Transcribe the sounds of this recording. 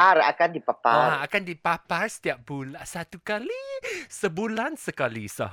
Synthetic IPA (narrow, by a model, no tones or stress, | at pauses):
ara̰kandipapaaakandipaparsə̥t̪iap̚bulasat̪ukalisəbulansəkalisa̰h